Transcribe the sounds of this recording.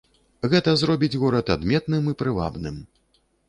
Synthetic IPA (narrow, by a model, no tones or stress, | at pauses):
ɣɛt̪ɐzɾɔbʲid͡zʲɣɔɾɐt̪ad̪mʲɛt̪nɨmipɾɨva̰bnɨm